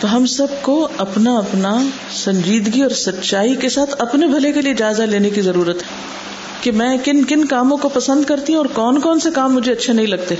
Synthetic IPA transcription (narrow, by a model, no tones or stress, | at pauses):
t̪oɦɐmsɐb̚koɐpnaɐpna | sɐ̃ɲd͡ʒiːd̪ɡiɔːɾsɐtːʃaːikesaːt̪ʰɐpnebʱɐlekelied͡ʒaːɪzaleːnekizɐɾuːɾət̪ɦɛ | kemɛ̃ːkɪnkɪnkaːmõkopɐsə̃nd̪kɐɾt̪iɦũɔːɾkɔːnkɔːnsekaːmːʊd͡ʒʱeɐtːʃʰanɐɦĩlɐɡ̚t̪e